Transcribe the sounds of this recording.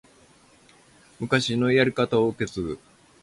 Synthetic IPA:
mɯ̟kaɕino̞ijaɾʲikat̪aoɯke̞t͡sɨ

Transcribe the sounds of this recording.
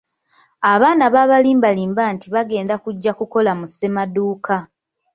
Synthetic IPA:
aβaːnaβaːβaliːmbaliːmbaːntiβaɡe̞ːndakuɟːakuko̞lamuse̞maduːka

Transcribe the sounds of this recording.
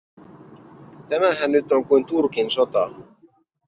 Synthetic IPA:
t̪æmæɦænːyt̪oŋkujnt̪urkinso̞t̪ɑ̰

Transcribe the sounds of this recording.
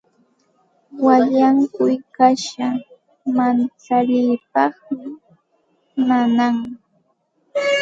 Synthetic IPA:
waʎaŋkʊjkaʃa | mant͡saʎɪjpɑχmɪ | nanaŋ

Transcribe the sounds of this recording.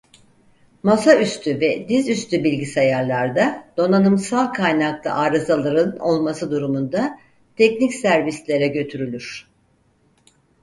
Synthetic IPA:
masayst̪ʰyvɛd̪izyst̪ybilʲɟisajaɾlˠaɾd̪ad̪̥o̞nanɯmsalˠkʰajnaklˠa̰ʔaːɾazalˠaɾɯno̞̰lˠmasɯd̪uɾumund̪a | t̪ʰɛcnicsæɾvislʲe̞ɾɛɟø̞t̪ʰyɾylʲyɾ̥

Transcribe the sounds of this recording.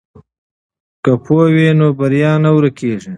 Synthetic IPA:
kəpʰoːwenobɐɾjɑːnawɾɐkʰeːʐi

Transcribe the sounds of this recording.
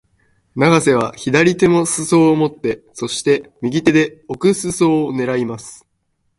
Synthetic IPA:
naɡase̞β̞açid̪aɾʲit̪e̞mo̞sɨso̞ːmo̞t̪ːe̞so̞ɕi̥t̪e̞mʲiɡʲit̪e̞d̪e̞o̞kɯ̟sɨso̞ːne̞ɾaimasɨ̥

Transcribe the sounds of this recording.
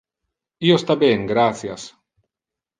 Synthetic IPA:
iost̪abeŋɡɾaθjas

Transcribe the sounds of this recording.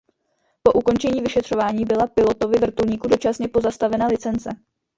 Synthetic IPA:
po̞ʔuko̞nt͡ʃɛɲiːvɪʃɛt̪r̝̥o̞vaːɲiːbɪlapɪlo̞t̪o̞vɪvr̩t̪ulɲiːkudo̞t͡ʃasɲɛpo̞zast̪avɛnalɪt͡sɛnt͡sɛ

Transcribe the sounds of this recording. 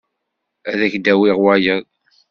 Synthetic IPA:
æðæçd̪æwiʁwæjən

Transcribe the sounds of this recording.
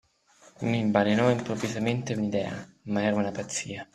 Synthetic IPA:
mimbalinɔimpɾovizament̪eunid̪ɛ̰ːa̰maɛːɾaunapat̪sːiːa

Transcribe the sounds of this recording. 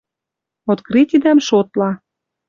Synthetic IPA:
ot̪kɾit̪id̪æmʃot̪lɑ

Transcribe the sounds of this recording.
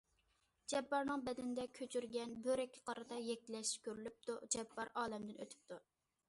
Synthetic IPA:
d͡ʒɛpːɑɾnɨŋbɛd̪ɪnd̪ɛkʲʰøt͡ʃʰyɾɡʲɛnbøɾɛkʲʰːɪ̥qʰɑɾɨt̪ɑjɛk̚ʲɪlɛʃkʲøɾylyp̚t̪ud͡ʒɛpːɑɾɑːlɛmd̪ɪnø̰t̪ʰy̥p̚t̪ʰu

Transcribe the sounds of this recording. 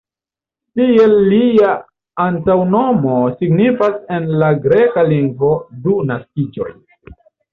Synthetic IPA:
tie̞lːiaː | ntawno̞mo̞siɡnifase̞nlaɡɾe̞kaliŋɡvo̞dunaskid͡ʒo̞̰j

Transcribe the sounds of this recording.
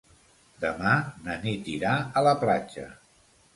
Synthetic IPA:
d̪əmanənit̪iɾaələplat͡ʃə̰

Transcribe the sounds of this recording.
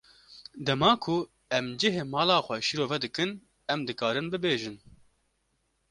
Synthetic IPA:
d̪ɛmɑːkʰʊ | ɛmd͡ʒɪɦeːmɑːlɑːxʷɛʃiɾoːvɛd̪ɨkɨn | ɛmd̪ɨkɑːɾɨnbɨbeːʒɨn

